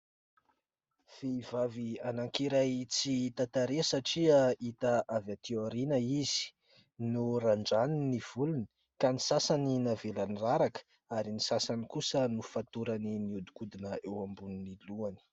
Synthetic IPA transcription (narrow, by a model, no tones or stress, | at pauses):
v̥eivavianaŋkiɾajt͡sit̪at̪aɾesaʈ͡ʂiait̪aʔavat̪eoɾinəiz̥i̥ | nuraɳɖ͡ʐaniniv̥uluni | kanisasaninavelaniraɾakə̥ | aɾinisasanikusənufat̪uɾaniniud̪ukud̪inəewambuniniluani̥